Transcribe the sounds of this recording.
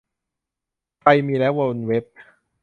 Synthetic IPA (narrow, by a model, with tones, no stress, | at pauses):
pa˧jmiː˧lɛː˦˥wa˧nwe˦˥p̚